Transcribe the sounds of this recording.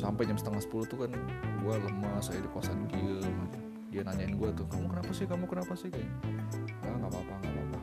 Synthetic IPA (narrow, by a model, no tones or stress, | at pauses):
sampajd͡ʒamsə̥t̪aŋasə̥pulut̪ukanɡualəmːasajadikuasanɡiəm | dianaɲaɪnɡuat̪ʊkamukənapasɪhkamukənapasɪhkanbaŋapapaŋɡapa̰pa